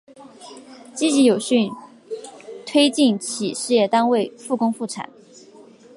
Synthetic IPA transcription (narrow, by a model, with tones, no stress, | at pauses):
t͡ɕi˥t͡ɕi˧˥jo˨˩ʊɕy˥˧n | t̪ʰwe˥ɪt͡ɕi˥˩nt͡ɕʰi˨˩ʂɻ̩˥˧jɛ˥˩t̪a˥nwe˥˩ɪfu˥˩kʊ˥ŋfu˥˩ʈ͡ʂʰa̰˨˩˦n